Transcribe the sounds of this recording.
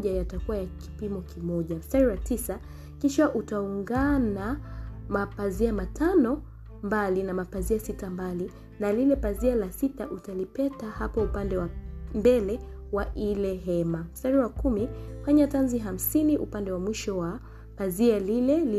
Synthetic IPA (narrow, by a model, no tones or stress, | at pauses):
ʄajatakuwajaki̥pimɔkimɔʄaastaɾiwatisa | kiʃaʔutauŋɡanamapaziamatanɔ | mbalinamapaziasitambali | nalilɛpazialasitaʔutalipɛtahapɔupandɛwambɛlɛ | waʔilɛɦɛmastaɾiwakumihaɲatanziɦam̩siniʔṵpandɛwamwiʃɔwa | pazialilɛli